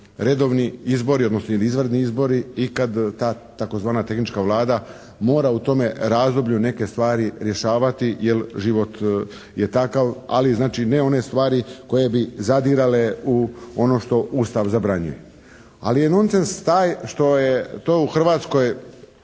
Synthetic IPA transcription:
ɾe̞d̪o̞ʋniizbo̞ɾiod̪nosnojeliizʋrd̪niizbo̞ɾiikad̪t̪aː | t̪ako̞zʋaːnat̪e̞xnit͡ʃkaʋlˠaːd̪a | mo̞ːɾaut̪o̞me̞ɾaːzd̪o̞bʎune̞ke̞st̪ʋaːɾiɾje̞ʃaːʋat̪ijelʒiʋo̞t̪ | jet̪akaʋa̰liznaːt͡ʃine̞o̞ne̞st̪ʋaːɾiko̞je̞bizad̪iɾale̞uo̞no̞ʃt̪o̞ʔust̪aʋzabɾaɲṵje | a̰lijeno̞nsenst̪aːjʃt̪o̞jet̪oːuxr̩ʋaːt̪sko̞j

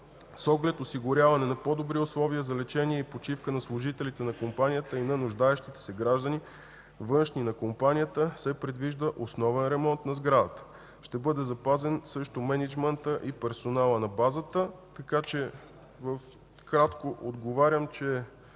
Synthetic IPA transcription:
sɔɡlɛt̪osiɡʊɾʲavɐnɛnɐpɔd̪obɾiʊslˠɔviəzɐlɛt͡ʃɛniɛipot͡ʃifkənɐslˠʊʒit̪ɛlit̪ɛnɐkompanʲijət̪əinɐnʊʒd̪aɛʃt̪it̪ɛ̥sɛɡɾaʒd̪əni | vɤnʃninɐkompanijət̪əsɛpɾɛd̪viʒd̪əʔosnɔvɛnɾɛmɔnt̪nɐzɡɾad̪ət̪ə̥ | ʃt̪ɛbɤd̪ɛzɐpazɛnsɤʃt̪omɛnɛd͡ʒmɛnt̪əʔipɛɾsonalˠənɐbazət̪ət̪ɐkat͡ʃɛ | vəf | kɾat̪koʔod̪ɡovaɾʲjəmt͡ʃɛ

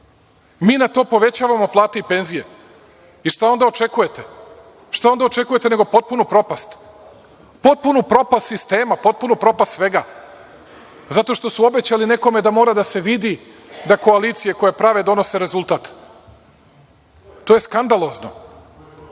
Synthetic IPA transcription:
miːnat̪o̞ːpo̞ʋe̞t͡ɕaːʋamo̞plˠaːt̪eipe̞nzije̞ | iʃt̪ao̞nd̪ao̞t͡ʃe̞kuje̞t̪e | ʃt̪ao̞nd̪aot͡ʃe̞kuje̞t̪e̞ne̞ɡo̞po̞t̪̚punupɾo̞past̪ | po̞t̪̚punupɾo̞past̪sist̪e̞ːmapo̞t̪̚punupɾo̞past̪sʋe̞ɡaː | zat̪o̞ʃt̪o̞suo̞be̞t͡ɕaline̞ko̞me̞d̪amo̞ːɾad̪ase̞ʋid̪i | d̪ako̞alit̪sijeko̞japɾaʋe̞d̪o̞no̞se̞ɾezulˠt̪aːt̪ | t̪ːojeskand̪alˠo̞zno̞̰

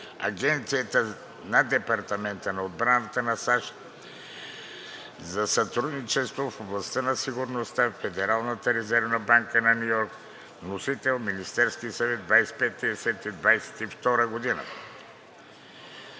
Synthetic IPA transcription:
ɐ̰ɡɛnt̪sijət̪ə | nɐd̪ɛpɐɾt̪ɐmɛnt̪ənɐod̪bɾanət̪ənɐsaʃ | zɐsɐt̪ɾud̪nit͡ʃɛst̪vofoblˠɐst̪ənɐsiɡʊɾnost̪afɛd̪ɛɾalˠnət̪əɾɛzɛɾvnɐbaŋkənɐnʲujɔɾk | vnosit̪ɛlˠminist̪ɛɾskisɐvɛd̪d̪vajsɛ̥pɛt̪ːiɛsɛt̪id̪vajsɛ̥t̪ift̪ɔɾəɡod̪inə̰

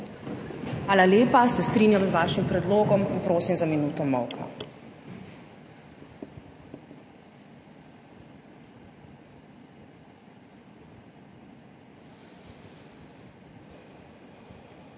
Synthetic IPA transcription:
ʋaːlaljeːpasɛst̪ɾiːnjamzʋaːʃimpɾɛd̪loːɡɔminpɾoːsimzaminuːt̪ɔmɔwkɔ̰

